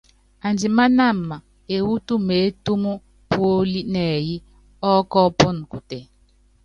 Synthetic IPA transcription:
a˨nd͡ʒi˨ma˦na˦˨mːa˨ | e˨wu˦tu˦me˨˦tu˦mu˦ | po˦li˦nɛ˨ji˦ | ɔ˦kɔ˦pɔ˦n˨ku˨te˨

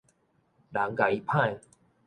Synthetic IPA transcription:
la˨˦ŋka˨˩i˦pʰã˥˧j

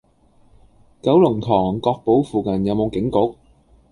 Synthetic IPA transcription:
kɐ˨˥wlʊ˨˩ŋt̪ʰɔː˨˩ŋkɔː˧k̚po˨˥wfuː˨kɐ˨˩njɐ˨˧wmo˨˧wkɪ˨˥ŋkʊ˨˥k̚

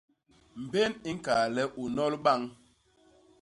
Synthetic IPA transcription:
m̩˨be˦ni˦ŋ̩˦kaː˨lɛ˦ʔu˨nɔ˦lɓa˦˨ŋ

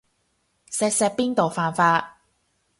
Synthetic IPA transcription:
sɛː˧k̚sɛː˧k̚piː˥nt̪o˨wfaː˨nfaː˧t

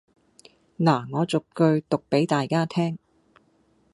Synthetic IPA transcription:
naː˨˩ŋɔː˨˧t͡sʊ˨kkɵ˧ɥt̪ʊ˨k̚pe˨˥jt̪aː˨jkaː˥t̪ʰɛː˥ŋ

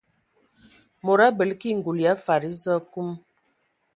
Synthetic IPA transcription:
mo˨ɾa˦bə˨lki˦˨ŋ̩˨ɡu˨lja˨˦fa˨ɾi˦zə˦ku˦m

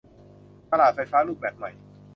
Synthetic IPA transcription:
sa˧laː˨˩t̪̚fa˧jfaː˦˥luː˥˩p̚bɛː˨˩p̚ma˨˩j

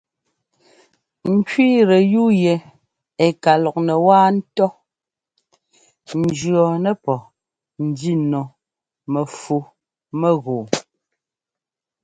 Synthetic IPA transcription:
ŋ̩˨kiː˦ɾɛ˨ju˦jɛ˨ | ɛ˨ka˨lɔ˨k̚nɛ˨waː˦n̩˦tɔ˦ | n̩˨d͡ʒɰɔ˨nɛ˦pɔ˨ | n̩˨di˦nɔ˨ | mɛ˨fu˨ | mɛ˦ɣoː˨

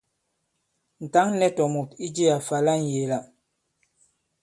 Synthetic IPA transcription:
n̩˨ta˨˦ŋnɛ˦tɔ˨mu˨ti˦d͡ʒe˦a˨fa˨la˦ŋ˨je˨la˨

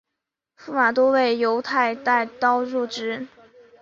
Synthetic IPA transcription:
fu˥ma˨˩t̪̬wɔ˥we˥˩ɪjo˧˥ʊt̪ʰa˥˧ɪt̪a˥˩ɪt̪ɑ˥ʊɻu˥˩ʈ͡ʂɻ̩˥

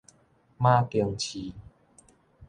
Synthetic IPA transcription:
mã˦ki˧əŋt͡ɕʰi˨˦

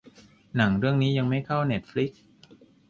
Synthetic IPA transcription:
na˩˦ŋɾɯ˥˩əŋniː˦˥ja˧ŋma˥˩jkʰa˥˩wne˦˥t̪̚fli˦˥k̚s

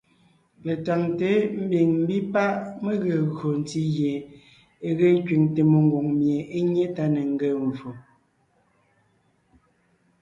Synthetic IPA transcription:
le˨ta˨ŋte˨˦m̩˦bi˨ŋm̩˦bi˦pa˦ʔme˦ɣe˨ɣɰo˨n̩˨˦ti˦ɣje˨ | e˨ɣe˦ŋ˦kɥi˨ŋte˨mo˨ŋ˦ɡwo˨ŋmje˨e˦ɲe˦ta˦ne˨ŋ̩˦ɡe˦˨ɱ˨vo˨

